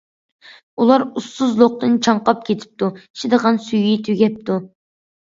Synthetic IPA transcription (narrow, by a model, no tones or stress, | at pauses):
ulˠɑɾusːʊzlˠoq̚t̪ɨnt͡ʃʰɑɴqɑp̚kʲʰet̪ʰɪ̥p̚t̪ui̥ʃid̪əʁɑnsyjit̪ʰyɡʲɛp̚t̪u